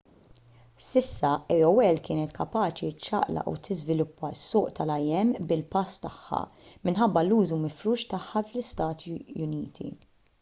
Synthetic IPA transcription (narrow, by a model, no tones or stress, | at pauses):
sɪsːɐʔɛjɔwɛlkɪːnɛt̪kɐpɐːt͡ʃitt͡ʃːɐ̰ʔlɐ̰ʔṵt̪ʰɪzvɪlʊpʰːɐsːʊːʔt̪ɐlɐjɛmːbɪlpɐst̪ɐħːɐ̰mɪnħɐbːɐluːzumɪfɾuːʃt̪ɐħːɐflɪst̪ɐːt̪ʰijʊniːt̪ʰḭ